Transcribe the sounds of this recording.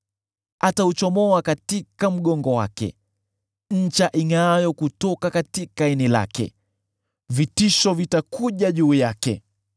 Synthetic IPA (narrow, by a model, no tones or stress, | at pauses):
ataut͡ʃɔmɔakatikam̩ɠɔŋɡɔwa̰kɛ̰ | ɲ̩t͡ʃaʔiŋajɔkutɔkakatikainila̰kɛ̰ | vitiʃɔvitakuʄaʄuːjakɛ̰